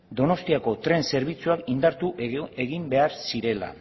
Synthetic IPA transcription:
d̪o̞no̞st̪iako̞t̪ɾe̞nse̞ɾβ̞it͡suakind̪aɾt̪ue̞ɣimbe̞aɾsiɾe̞la̰

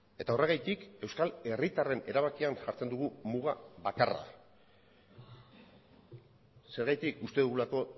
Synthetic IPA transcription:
e̞t̪ao̞re̞ɣ̞ajt̪ike̞wskale̞rit̪are̞ne̞ɾaβakianʝaɾt͡se̞nd̪uɣ̞umuɣ̞aβakara̰ | se̞ɾɣajt̪ikust̪e̞ðuɣulako̞

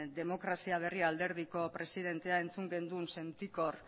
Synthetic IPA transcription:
d̪e̞mo̞kɾasiaβ̞e̞riald̪e̞ɾð̞iko̞pɾe̞siðe̞nt̪e̞ae̞nt͡suŋɡe̞nd̪unse̞nt̪iko̞r

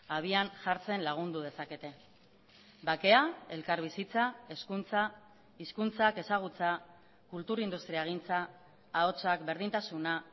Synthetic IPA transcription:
aβ̞ianʝaɾt͡se̞nlaɣ̞und̪uðe̞sake̞t̪e̞ | bake̞ae̞lkaɾβisit͡sae̞skunt͡sa | iskunt͡sake̞saɣ̞ut͡sa | kult̪uɾind̪ust̪ɾiaeɣ̞int͡saː | o̞t͡sakbe̞ɾðint̪asuna

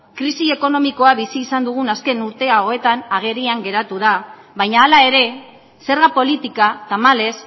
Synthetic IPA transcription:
kɾisie̞ko̞no̞miko̞aβisiːsand̪uɣ̞unaske̞nuɾt̪e̞aoe̞t̪anaɣ̞e̞ɾiaŋɡe̞ɾat̪uða | βajɲaːlae̞ɾe̞ | se̞ɾɣapo̞lit̪ikat̪amale̞s

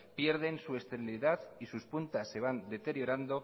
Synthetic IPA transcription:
pje̞ɾð̞e̞nsue̞st̪eɾiliðaðisuspunt̪asːe̞β̞and̪e̞t̪e̞ɾjo̞ɾand̪o̞

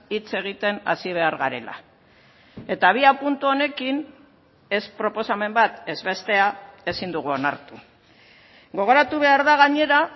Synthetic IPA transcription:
it͡se̞ɣ̞it̪e̞na̰siβ̞e̞aɾɣaɾe̞̰la̰ | e̞t̪aβ̞iapunt̪uo̞ne̞kin | e̞spɾo̞po̞same̞mbat̪e̞zβe̞st̪e̞ae̞sind̪uɣ̞uo̞na̰ɾt̪u | ɡo̞ɣ̞o̞ɾat̪uβe̞aɾðaɣaɲe̞ɾa

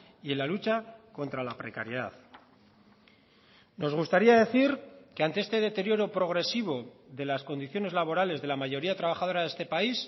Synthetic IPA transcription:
ie̞lalut͡ʃako̞nt̪ɾalapɾe̞kaɾje̞ða̰ð | no̞zɣ̞ust̪aɾiaðe̞θiɾke̞ant̪e̞est̪e̞ðe̞t̪e̞ɾjo̞ɾo̞pɾo̞ɣ̞ɾe̞siβ̞o̞ðe̞lasko̞nd̪iθjo̞ne̞zlaβ̞o̞ɾale̞zðe̞lamaʝo̞ɾiat̪ɾaβ̞axað̞o̞ɾaðe̞st̪e̞pais

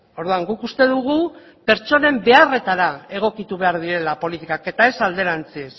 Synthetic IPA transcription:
o̞ɾðuaŋɡukust̪e̞ðuɣu | pe̞ɾt͡ʃo̞ne̞mbe̞are̞t̪aɾae̞ɣ̞o̞kit̪uβe̞aɾð̞iɾe̞lapo̞lit̪ikake̞t̪ae̞sald̪e̞ɾant͡ses

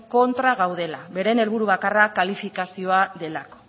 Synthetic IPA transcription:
ko̞nt̪ɾaɣawðe̞laβe̞ɾe̞ne̞lβ̞uɾuβakarakalifikasio̞aðe̞lako̥

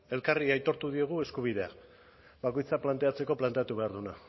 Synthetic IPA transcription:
e̞lkariajt̪o̞ɾt̪uðie̞ɣ̞ue̞skuβ̞iðe̞a | βako̞jt͡saplant̪e̞at͡se̞ko̞plant̪e̞at̪uβe̞aɾðuna

